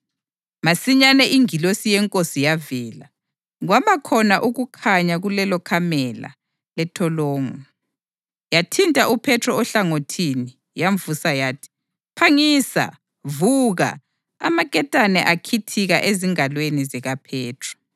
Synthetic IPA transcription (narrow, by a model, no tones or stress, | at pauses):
masiɲanɛʔiŋilosijɛŋkʼosijavɛːla | ɣwamakʰɔnaʔuɣukʰaɲaɣulɛlɔkʰamɛla̰ | lɛtʰɔlɔːŋɔ | jatʰintʼaʔupʰɛtʰrɔɔɬaŋotʰini | jaɱvusajaːtʰi̥ | pʰaŋisa̰ | vuɣa̰ | a̰makʼɛtʼanɛʔakʰitʰiɣaʔeziŋalwenizɛɣapʰɛːtʰrɔ̥